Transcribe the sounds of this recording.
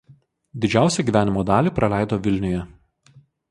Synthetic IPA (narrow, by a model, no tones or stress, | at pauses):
d̪ʲɪd͡ʒʲæˑʊsʲɛɡʲiːʋʲæːnʲɪmoːd̪ɑːlʲiːˑpɾɐlʲæˑɪd̪oːʋʲɪlʲnʲʊjɛ